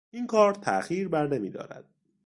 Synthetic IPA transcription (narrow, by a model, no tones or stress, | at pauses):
ʔinkʰɒːɾt̪ʰæ̰ʔxiːɾbæɾne̞mḭːd̪ɒ̰ːɾæ̰d̪̥̚